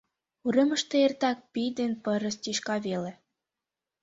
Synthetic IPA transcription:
uɾemə̆ʃt̪eert̪ɑk̚pijd̪enpəɾə̆st̪iʃkɑβelĕ

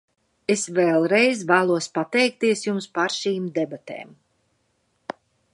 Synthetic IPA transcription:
esvɛːlˠɾɛjzvæːlˠuɔspat̪ɛjk̚t̪iɛsjumspaɾʃiːmd̪ebat̪ḛːm

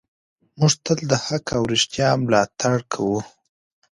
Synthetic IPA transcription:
muʐt̪əld̪əhakawɾɪʂt̪jɑmlɑt̪ʰaɽkʰawu

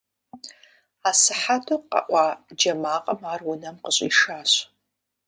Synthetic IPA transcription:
aːsɨħatʰoqa̰ʔʷɑːd͡ʒɐmaːqʼɐmaːrwʊnɐmqəɕʼḭʂaːɕ

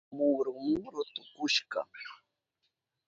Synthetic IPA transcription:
mʊɾʊmɾʊt̪ʊkʊʃɢɑ̰

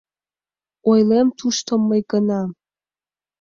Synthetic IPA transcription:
ojlemt̪ʰuʃt̪ʰəmːəjɡənɑ

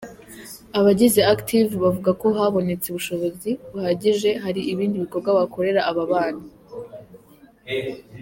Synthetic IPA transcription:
aβaɟizeaktʰivβavuɡako̞ɦaβo̞ne̞t͡seβuʃo̞βo̞ziβuhaːɟiʒe̞ɦaɾiʔiβiːndiβiko̞bɡwaβako̞ɾe̞ɾaʔaβaβaːna

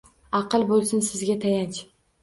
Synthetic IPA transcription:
ɑqɨlˠbolˠsɪnsɪzɡʲat̪ʰajant͡ʃʰ

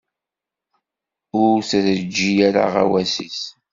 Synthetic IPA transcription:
ʊɾθæθəd͡ʒːijaɾa̰ʁa̰wæsḭs

